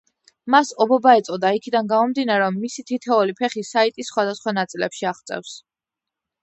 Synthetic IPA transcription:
masɔbɔbaɛt̪sʼɔd̪aikʰid̪anɡamɔmd̪inaɾɛɔmːisit̪ʰit̪ʰɛulipʰɛχisait̪ʼisːχwad̪asχwanat̪sʼilɛpʃiaʁt̪sʼɛ̰fs

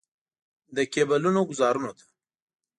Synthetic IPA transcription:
d̪əkebalunoɡʊzɑɾunot̪ʰḁ

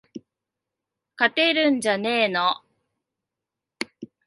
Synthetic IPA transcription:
kat̪e̞ɾɯ̟̃ɲ̟d͡ʑane̞ːno

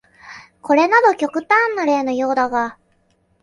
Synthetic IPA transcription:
ko̞ɾe̞nad̪o̞kʲo̞kɯ̟t̪ãnːoɾe̞ːno̞jo̞ːd̪aɡa

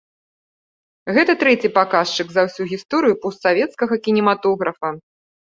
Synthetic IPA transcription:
ɣɛt̪ɐt̪ɾɛt͡sʲipakaʂt͡ʂɨkzɐwsʲuɣʲist̪ɔɾɨjupɔst̪savʲɛt̪skɐɣɐkʲinʲɛmat̪ɔɣɾɐfɐ

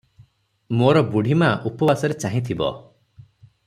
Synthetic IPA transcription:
moɾɔbuɽ̤ʱimaʔupɔbasɔɾet͡ʃaɦĩt̪ʰibɔ̰

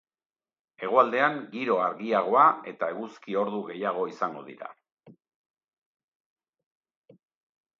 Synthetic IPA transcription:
e̞ɣ̞oald̪e̞aŋɡiɾo̞aɾɣiaɣ̞o̞ae̞t̪ae̞ɣuskio̞ɾðuɣe̞jaɣ̞o̞isaŋɡo̞ðḭɾa̰

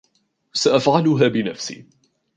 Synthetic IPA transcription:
saʔafʕalʊɦaːbɪnafsḭː

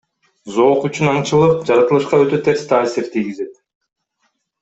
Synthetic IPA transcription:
zo̞ːqyt͡ʃynɑɴt͡ʃɯlˠɯp̚d͡ʒɑɾɑt̪ɯlˠɯʃqɑø̞t̪ø̞t̪ʰe̞ɾst̪ʰaːsiɾt̪ʰijɡize̞t̪

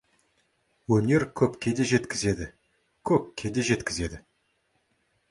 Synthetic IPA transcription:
wɵne̞ɾkʲʰɵpkʲʰe̞d̪e̞ʒe̞t̪kʲɪze̞d̪ɪ | kʲʰɵp̚kʲʰe̞d̪eʒe̞t̪kʲɪze̞d̪ɪ

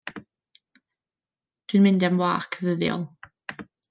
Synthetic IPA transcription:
d̥winmɪndamwaːkʰəðəðjɔ̰lˠ

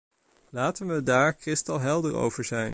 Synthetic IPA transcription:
laːtənʋədaːɹkrɪstɑlˠɦɛlˠdəɹo̰wv̥əɹzɛjn

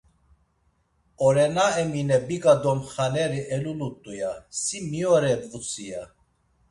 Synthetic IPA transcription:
ɔɾɛnaɛminɛbiɡʼad̪ɔmχanɛɾiʔɛlulut̪ʼːujasimiɔɾɛbvut͡sʰʼija

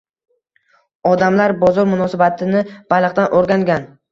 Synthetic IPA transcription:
ɒd̪amlaɾbɒzɒɾmʊnɒsabat̪ʰɪnɪb̥alɨqt̪d̪anʔoɾɡʲaŋɡʲan

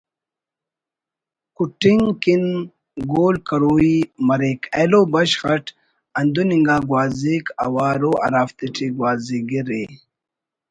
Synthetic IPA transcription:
kuʈiŋkin | ɡoːlkɐɾoːimɐɾeːkʰeloːbɐɕxɐʈ | ɐnd̪uniŋɡaːɡwaːziːkɐ̰waːɾoːʔɐ̰ɾaːft̪iʈʰiɡwaːziɡiɾeː

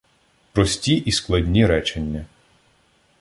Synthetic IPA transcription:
pɾɔsʲtʲiʔisklˠɐdʲnʲiɾɛt͡ʃenʲːɐ

